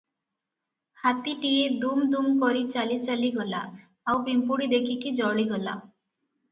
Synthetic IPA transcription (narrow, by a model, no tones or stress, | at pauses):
hat̪iʈied̪umd̪umkɔɾit͡ʃalit͡ʃaliɡɔla̰ː | wbimpuɽid̪ekʰikid͡ʒɔɭiɡɔla̰